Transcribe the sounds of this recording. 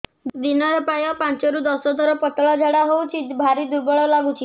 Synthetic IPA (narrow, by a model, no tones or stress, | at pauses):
d̪inɔɾɛpajɔpant͡ʃɔɾud̪ɔsɔd̪ʱɔɾɔpɔt̪ɔɭad͡ʒʱaɽaɦowt͡ʃʰibʱaɾid̪uɾbɔɭɔlaɡut͡ʃʰi